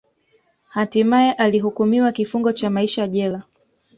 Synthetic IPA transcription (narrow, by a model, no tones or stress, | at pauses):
hatimajɛʔaliɦukumiwakifuŋɡɔt͡ʃamaiʃajaʄɛla